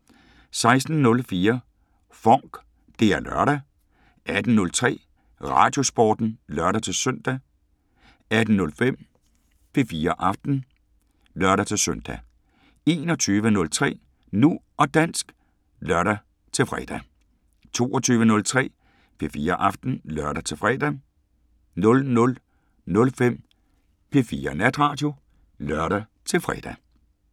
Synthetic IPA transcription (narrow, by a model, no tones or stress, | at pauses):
sɑ̈ɪsd̥n̩nɔ̽lfiːɐ | fɒŋ̰ɡ̥ | d̥e̝æɐlœ̰ɐ̰ɾ̥æ | ʔæd̥n̩nɔ̽lt͡sʰʁɛ̰ː | ʁɑ̰̈ːd̥jo̝sb̥ɒ̰ːd̥n̩lœɐɾæt͡sʰe̝lsøn̰d̥æ | æd̥n̩nɔ̽lfem̰ | pʰe̝fiːɐʔɑ̈fd̥n̩ | lɶɐɾæt͡sʰe̝søn̰d̥æ | e̝̰nɒt͡sʰyːʋənɔ̽lt͡sʰʁɛ̰ː | nuʔɒ̽d̥æn̰sɡ̥ | lœɐɾ̥æ | t͡sʰe̝lfʁɛ̰d̥æ | t͡sʰo̝̰ːɒ̽t͡sʰyːʋənɔ̽lt͡sʰʁɛ̰ː | pʰe̝fiːɐʔɑ̈fd̥n̩lœɐɾæt͡sʰe̝fʁɛːd̥æ | nɔ̽lnɔ̽l | nɔ̽lfem̰ | pʰe̝fiːɐnæd̥ʁɑ̈ːd̥jo̝ | lœɐ̰ɾ̥æ | t͡sʰe̝lfʁɛ̰d̥æ